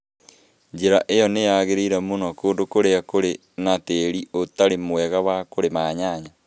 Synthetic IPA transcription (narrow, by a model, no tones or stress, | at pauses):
ɲd͡ʒeɾaʔejɔnejaɣeɾeiɾamonɔkoːndokoɾeakoɾe | nateːɾiotaɾemoɛɣawakoɾemaːɲaːɲa